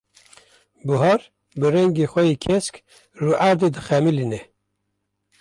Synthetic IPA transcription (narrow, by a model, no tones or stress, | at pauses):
buɦɑɾ | bɨrɛŋɡeːxʷɛjiːkʰɛsk | ruːʔæɾd̪ed̪ɨxɛmilinɛ